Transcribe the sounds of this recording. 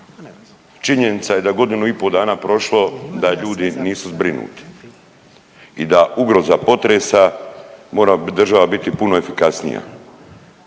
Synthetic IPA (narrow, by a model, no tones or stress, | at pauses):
t͡ʃiɲe̞nit̪saje̞d̪aɡo̞d̪inuipo̞d̪aːnaːpɾo̞ʃlˠo̞d̪aʎuːd̪iniːsuzbɾinṵːt̪i̥ | id̪aʔuɡɾo̞zapo̞t̪ɾeːsamo̞ːɾad̪r̩ʒaʋabit̪ipunoe̞fikasnḭja̰